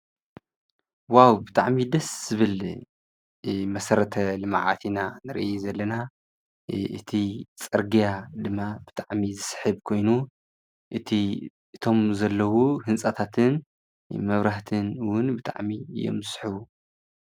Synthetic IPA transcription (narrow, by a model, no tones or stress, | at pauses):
wawbɨt̪ʰʼaʕmid̪ɐsz̥ɨβɨl | mɐsɐɾɐt̪ʰɐlɨma̰ʕa̰t̪ʰinanɨɾʔḭezɐlːɐna | ʔɨ̰t̪ʰit͡sʼɐɾɡijad̪ɨmːabɨt̪ʰʼaʕmizɨsħɨβkʰo̞jnu | ʔɨt̪ʰi | ʔɨt̪ʰo̞mzɐlːɐwuɦɨnt͡ssʼɐt̪ʰat̪ʰɨn | mɐβɾaht̪ʰɨnwʊnbɨt̪ʰʼa̰ʕmiɨ̰jo̰mzɨsħɨβu